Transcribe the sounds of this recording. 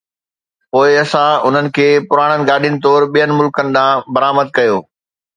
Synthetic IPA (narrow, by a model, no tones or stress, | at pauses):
poːɪɐsãʊn̤ənɪ̆kʰeːpʊɾaːɽ̃ənɪ̆ɡaːɗijnɪ̆t̪̬ɔːɾɓijənɪ̆mʊlkənɪ̆ɗ̪ãːbɐɾaːməd̪̚kɐjoː